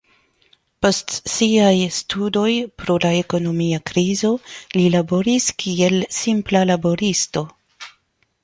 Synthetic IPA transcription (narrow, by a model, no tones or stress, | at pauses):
po̞stsiajstudo̞jpɾo̞lae̞ko̞no̞miakɾizo̞lilabo̞ɾiskʰie̞lsimplalabo̞ɾisto̞